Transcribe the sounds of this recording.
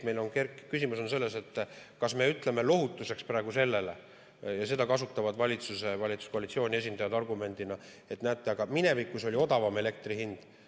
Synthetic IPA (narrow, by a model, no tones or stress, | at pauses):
me̞jlo̞nkerkːkːysʲimuso̞nse̞lːe̞se̞t̪ːˑkɑsme̞yt̪ˑle̞me̞lo̞ɦut̪ːˑuse̞ksprɑeɡ̥use̞lːe̞le | jɑse̞d̪ɑkɑsut̪ːˑɑvɑd̪vɑlʲit̪suse̞vɑlʲit̪su̥sko̞ɑlit̪sio̞ːnʲie̞s̬ʲind̪ɑjɑd̪̥ɑrɡume̞nʲd̪̥inɑ | e̞t̪næːt̪ːˑeɑɡ̥ɑmine̞vikːˑuso̞lʲio̞d̪ɑvɑme̞le̞k̚t̪rihind̪̥